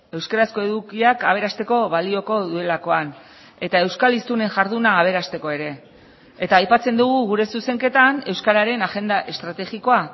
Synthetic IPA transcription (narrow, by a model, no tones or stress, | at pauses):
e̞wskaɾasko̞e̞ðukiakaβ̞e̞ɾast̪e̞ko̞βalio̞ko̞ðue̞lako̞an | e̞t̪ae̞wskalist̪une̞ŋʝaɾðunaːβ̞e̞ɾast̪e̞ko̞e̞ɾe̞ | et̪aːjpat͡se̞nd̪uɣuɣuɾe̞suse̞ŋke̞t̪ane̞wskaɾaɾe̞naʝe̞nd̪aʔe̞st̪ɾat̪e̞ɣiko̞a